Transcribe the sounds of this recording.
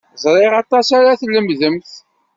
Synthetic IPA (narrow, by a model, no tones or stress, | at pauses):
zˤɾˤeʁɑt̪ˤɑsaɾaθlːəmðəmθ